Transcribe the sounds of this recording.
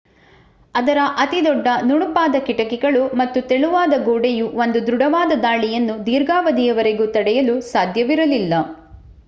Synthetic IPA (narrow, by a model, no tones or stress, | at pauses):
ɐd̪ɐɾɐʔɐt̪id̪ɔɖːɐnuɳupaːd̪ɐkiʈɐkiɡɐɭumɐt̪ːut̪eɭuʋaːd̪ɐɡoːɖejuʋond̪ud̪ɾuɽɐʋaːd̪ɐd̪aːɭijɐnːud̪iːɾɡaːʋɐd̪ijɐʋɐɾeɡut̪ɐɽɛjɐlusaːd̪ʱjɐʋiɾɐlilːɐ